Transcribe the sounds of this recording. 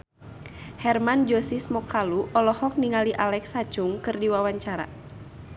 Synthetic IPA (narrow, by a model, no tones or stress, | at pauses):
hɛrmand͡ʒɔsismɔkaluʔɔlɔhɔk̚niŋaliʔalɛksat͡ʃuŋkɨrdiwawaɲt͡ʃaɾa̰